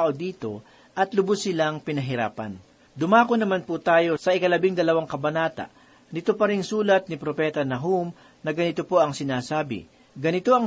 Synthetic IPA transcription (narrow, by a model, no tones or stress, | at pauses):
aʔo̞d̪iːt̪o̞ | ʔɐt̪lʊbʊsːɪlaŋpɪnɐɦɪɾa̰ːpɐ̰n | d̪ʊmaːkonɐmanput̪aːjo̞sɐʔɪkɐlɐbɪŋd̪ɐlɐwaŋkɐbɐnaːt̪ɐ̰ʔ | nɪt̪opɐɾɪŋsuːlɐt̪̚nɪpɾopɛt̪ɐnɐɦum | nɐɡɐnɪt̪opo̞ʔɐŋsɪnaːsaːbɪ̰ | ɡɐnɪt̪o̞ʔɐŋ